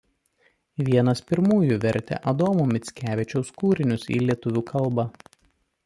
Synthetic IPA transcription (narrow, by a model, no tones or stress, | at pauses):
ʋʲiɛnɐspʲɪɾmuːjuʋʲɛɾʲt̪ʲɛ̰ʔɐd̪oːmumʲɪt̪sʲkʲæːʋʲɪt͡ʃʲɛʊskuːɾʲɪnʲʊsḭːlʲiɛt̪ʊʋʲuːkʰɐlˠˑbɐ